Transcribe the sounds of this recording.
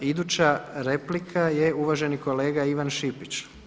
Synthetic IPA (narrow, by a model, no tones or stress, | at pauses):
id̪uːt͡ɕaɾe̞plikʰaje̞uʋaʒe̞niko̞le̞ːɡaiʋanʃipit͡ɕ